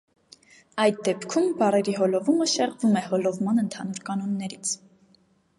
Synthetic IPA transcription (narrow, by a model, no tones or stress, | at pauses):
ɑjd̪̚d̪ɛpkʰumbɑrɛɾiɦɔlɔvuməʃɛʁvumɛhɔlɔvmɑnənt̪ʰɑnuɾkɑnɔnːɛɾit͡sʰ